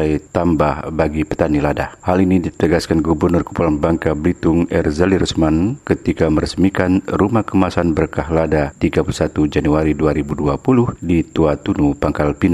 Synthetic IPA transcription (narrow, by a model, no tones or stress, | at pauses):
ajt̪ambahbaɡipət̪aniladahalinidit̪əɡaskanɡubərnʊrku̥pulanbaŋkablit̪ʊŋɛrzaliɾəsmankət̪ikaməɾəsmikanrumahkəmasanbərkaɦladat̪iɡapulusat̪ud͡ʒanuaɾiduaɾibuduapulʊhdit̪uat̪unupaŋkalpina